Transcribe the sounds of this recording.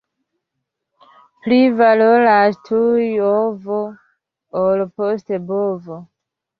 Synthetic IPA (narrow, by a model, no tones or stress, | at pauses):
plivaloɾastʰujovo | olpostebovo